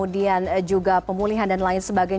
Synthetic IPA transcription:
udiand͡ʒuɡapəmuliɦandanlaɪnsəbaɡaj

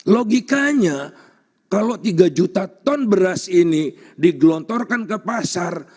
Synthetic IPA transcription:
loɡikaɲa | kalot̪iɡad͡ʒut̪at̪ɔnbəɾasini | diɡlɔnt̪ɔrkankəpasar

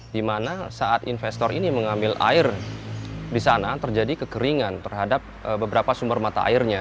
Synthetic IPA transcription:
dimanasaʔat̪infɛst̪ɔɾiniməŋambɪlʔa̰ɪr | disanat̪ərd͡ʒadikəkəɾiŋant̪ərɦadap̚əbəbəɾapasumbərmat̪a̰ʔa̰ɪrɲa

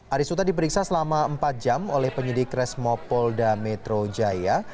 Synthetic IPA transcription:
ʔaɾisut̪adip̬əɾiksasəlamaəmpat̪̚d͡ʒamolɛhpəɲədɪkɾɛsmɔpɔldamɛt̪ɾod͡ʒaja

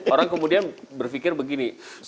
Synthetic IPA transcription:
oɾaŋkəmudianbərfikɪrbəɡinis

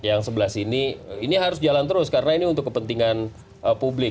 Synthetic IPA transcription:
jaŋsəbəlasiniiniɦaɾʊsd͡ʒalant̪əɾʊskaɾənainiunt̪ʊkːəpənt̪iŋan | əpublɪ

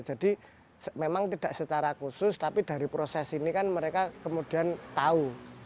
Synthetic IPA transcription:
d͡ʒa̤d̥i | smemaŋt̪id̥a̤ʔsət͡ʃaɾakusʊst̪apid̪̥a̤ɾipɾosɛsinikanməɾekakəmud̥i̤ant̪au

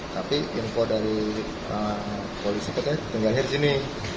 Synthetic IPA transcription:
t̪apiʔinfodaɾi | ə | polisipat̪at̪iŋɡalɦɪrsinɪ

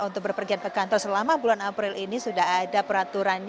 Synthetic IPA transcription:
unt̪ʊk̚bərpərɡiat̪̚kəkant̪ɔrsəlamabulanapɾɪlʔinisudaɦadapəɾat̪uɾanɲ

